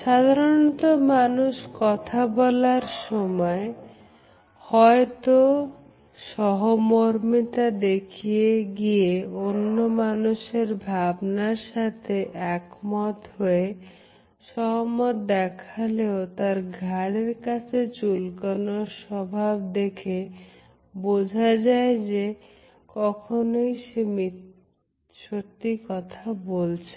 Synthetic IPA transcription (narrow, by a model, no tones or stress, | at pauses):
ʃad̪ʱaɾonɔt̪omanuʃkɔt̪ʰabɔlaɾʃɔmɔe | hɔet̪o | ʃɔɦomoɾmit̪ad̪ekʰieɡieonːomanuʃeɾbʱabnaɾʃat̪ʰeʔɛkmɔt̪ɦoe | ʃɔɦmot̪d̪ɛkʰaleot̪aɾɡʱaɽeɾkat͡ɕʰet͡ɕulkonoʃɔbʱabd̪ekʰe | bod͡ʑʱad͡ʑaed͡ʑe | kɔkʰonojʃemi | ʃot̪ːikɔt̪ʰabolt͡ɕʰe